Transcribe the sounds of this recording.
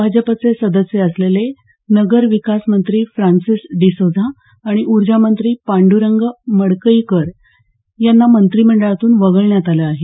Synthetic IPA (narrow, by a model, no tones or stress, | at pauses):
bʱad͡ʑəpat͡sesəd̪əsjeəslele | nəɡəɾʋikasmənt̪ɾiːfɾansisɖisod͡zʱaː | ɽ̃iʔuɾd͡ʑamənt̪ɾiːpaɳɖuɾəŋɡməɽkəikəɾ | janːamənt̪ɾiːm̤əɳɖəɭat̪uːnʋəɡəɭɳjat̪aləaɦe